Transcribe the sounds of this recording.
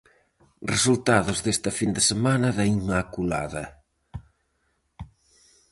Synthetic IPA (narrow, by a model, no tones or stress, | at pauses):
result̪aðʊzðest̪ɐfind̪ɪsemanɐðaimakula̰ðɐ